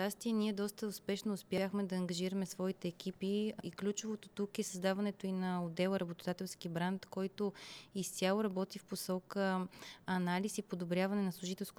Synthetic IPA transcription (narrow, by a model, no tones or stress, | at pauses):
t͡ʃast̪iɛniɛd̪ɔst̪əʊspɛʃnoːspʲjaxmɛd̪ɐːŋɡɐʒiɾəmɛsvɔit̪ɛːk̟ʰipiiklʲut͡ʃovot̪o̥t̪ukɛsəzd̪avɐnɛt̪oinɐod̪ɛlˠɾɐbot̪od̪at̪ɛlˠsk̟ibɾant̪kɔjt̪oist̪ʲjalˠoɾɐbɔt̪ifposɔkəɐnalisipod̪obɾʲjavɐnɛnɐslˠʊʒit̪ɛlˠsko